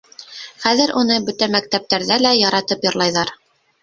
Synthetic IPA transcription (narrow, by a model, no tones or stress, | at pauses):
χæðɘɾʔunɤbɵ̆t̪æmæk̚t̪æp̚t̪æɾðælæjɑɾɑt̪ɤpjɤ̆ɾlˠɑjðɑɾ